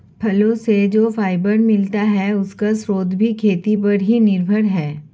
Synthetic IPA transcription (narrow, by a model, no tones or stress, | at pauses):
pʰɐlõsed͡ʒoːfʰaːɪbəɾmɪlt̪aɦɛʊskasɾoːd̪ʱbʱikʰeːt̪ip̬ɐɾɦinɪɾbʱəɽɦɛː